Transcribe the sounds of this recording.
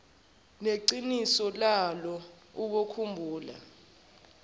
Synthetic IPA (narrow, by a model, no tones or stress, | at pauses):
neǀinisɔlalɔ | uk̬okʰumbʱuːla̰